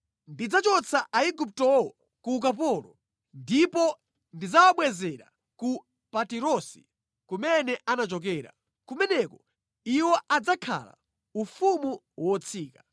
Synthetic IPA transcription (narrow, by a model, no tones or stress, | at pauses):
ndid͡zat͡ʃɔt͡sʰaʔaikup̬̚tɔwɔ | kuk̬ap̬ɔɾɔ̰ | ndipɔ | ndid͡zawaɓwɛzɛɾa̰ | ku | patiɾɔsi̥ | kumɛnɛʔanat͡ʃɔk̬ɛːɾa̰ | kumɛnɛkɔ | iwɔʔad͡zakʰa̰la̰ | ufumu | wɔt͡sʰiːka